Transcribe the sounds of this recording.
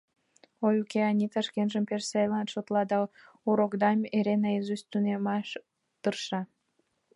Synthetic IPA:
ojukeɑnʲit̪ɑʃkenʒəmpersejlɑnʃot̪lɑd̪ɑ | uɾokd̪ɑmeɾenɑjezust̪unemɑʃ | t̪ərʃɑ

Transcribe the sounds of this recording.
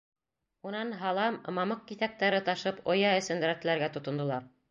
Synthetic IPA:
unɑnɦɑlˠɑmːɑmɤq̚kiθæk̚t̪æɾɘt̪ɑʃɤpŏjɑɘ̆sɘ̆nd̪ɾæt̪ɘ̆læɾɡæt̪ŏt̪ŏnd̪ŏlˠɑɾ

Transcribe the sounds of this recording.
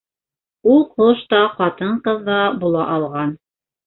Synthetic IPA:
ulˠqoʃt̪ɑqɑt̪ɤɴqɤðːɑbulˠɑʔɑlˠʁɑn

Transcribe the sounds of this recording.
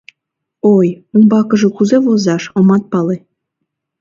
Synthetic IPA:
ojunbɑkɤ̆ʒɤ̆kuzeβozɑʃŏmɑt̪̚pɑle

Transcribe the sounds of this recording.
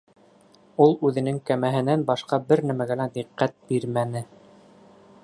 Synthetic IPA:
ulˠʉðɘ̆nɘŋkæmæɦɘ̆nænbɑʃqɑbɘɾnæmæɡælæd̪iqːæt̪̚biɾmænɘ

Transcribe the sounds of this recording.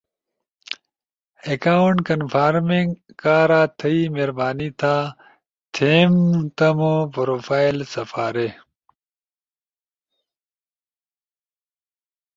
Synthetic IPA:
ekaːuɳʈkɐnfʰaːɾmiŋɡkaːɾaːt̪ʰɐimeɾbaːnit̪ʰaː | t̪ʰeːmt̪ɐmopɾoːfaːilsɐfaːɾe

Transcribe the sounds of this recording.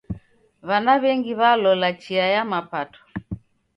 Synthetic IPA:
βanaβɛŋɡiβalɔlat͡ʃiajamapatɔ̥

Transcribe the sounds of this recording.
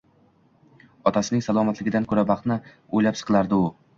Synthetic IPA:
ɒt̪ʰasɪnɪŋsalˠɒmat̪lɪɡʲɪd̪ankʰɵɾabɑχt̪nɪ | ojlapsɨ̥qʰlˠaɾd̪ɪʊ

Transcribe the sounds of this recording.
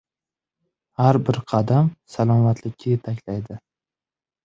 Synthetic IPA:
haɾbɪɾqʰɑd̪amsalˠɒmat̪lɪkʲʰːajet̪ʰakʲlajd̪ɪ

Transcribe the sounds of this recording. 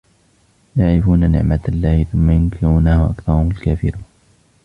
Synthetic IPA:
jaʕɾɪfuːnanɪ̰ʕmaalːaːhɪθʊmːajʊnkʰɪɾuːnaaʔakθɑɾˤhʊmalkaːfɪɾuːn

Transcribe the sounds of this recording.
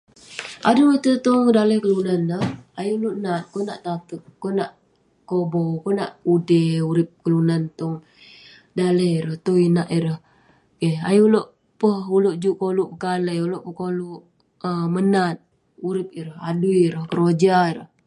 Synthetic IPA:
ʔadumət̪ət̪ɔŋdaləhkəlunanːəhajuloʔnat̪̚kɔnaʔt̪at̪ək̚ːɔnaʔ | kobokonaʔudəuɾɪp̚kəlunant̪ɔŋ | daləɾəht̪oinaʔiɾəh | keha̰juloʔ | pəhuloʔd͡ʒuʔkoluʔpəkaləjuloʔpəkoluʔ | əmənat̪̚ | uɾɪp̚iɾəɦaduiɾəhkəɾod͡ʒaiɾə̰h

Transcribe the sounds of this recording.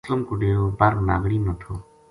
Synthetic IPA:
ləmkʊɖeːjoːbaːɾnaːɡɽiːnət̪ʰoː

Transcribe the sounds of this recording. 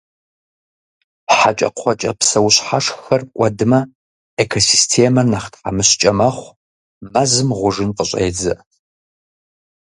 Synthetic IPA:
pħat͡ʃʼɐ̰qʷʰɔt͡ʃʼɐpsɐwɕħaʂxɐrkʷʼɐdɨmɐ | ekʰosistʰeːmɐnɐχtħa̰mɨɕt͡ʃʼɐmɐχʷ | mɐzɨmʁʷʊʐɨnqəɕʼḛːd͡zɐ

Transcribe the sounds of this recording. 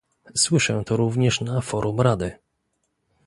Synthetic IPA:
swɘʂɛ̃t̪ɔɾuvɲɛʂnafɔɾʔumɾad̪ɘ

